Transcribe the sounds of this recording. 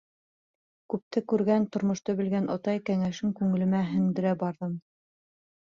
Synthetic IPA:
kʉp̚t̪ɘkʉɾɡænt̪ŏɾmŏʃt̪ɤbɘ̆lɡænʔŏ̰t̪ɑjkæŋæʃɘŋkʉŋɘ̆lɘ̆mæɦɘ̆ŋd̪ɘ̆ɾæbɑɾðɤm

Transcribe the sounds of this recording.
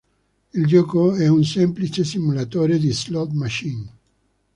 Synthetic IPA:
ild͡ʒɔːkoɛunsemplit͡ʃesimulat̪oːɾed̪islɔt̪maʃin

